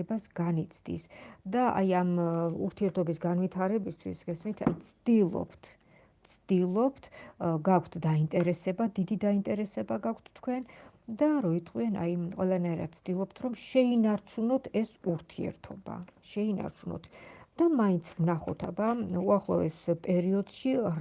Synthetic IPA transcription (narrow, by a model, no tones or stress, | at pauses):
ɛbasɡanit̪sʰd̪ḭsd̪aʔa̰jamṵɾt̪ʰiɛɾt̪ʰɔbisɡanvit̪ʰaɾɛbist̪ʰwḭsɡɛsmit̪ʰa̰jt̪sʰd̪̥ilˠɔ̰pʰt̪ʰ | t̪sʰd̪̥ilˠɔpʰt̪ʰɡakʰt̪ʰd̪aint̪ʼɛɾɛsɛbad̪id̪id̪aint̪ʼɛɾɛsɛbaɡakʰt̪ʰːkʰwɛnd̪aɾɔit̪ʰʼqʼwiɛna̰jqʼwɛlˠanaiɾa̰t̪̚t̪sʰd̪ilˠɔp̚t̪ʰɾɔmʃɛinaɾt͡ʃʰunɔt̪ʰɛsuɾt̪ʰiɛ̰ɾt̪ʰɔba̰ʃɛina̰ɾt͡ʃʰunɔ̰t̪ʰd̪̥amaint̪sʰvnaχɔt̪ʰabauaχlˠɔɛspʼɛɾiɔd̪̥ʃi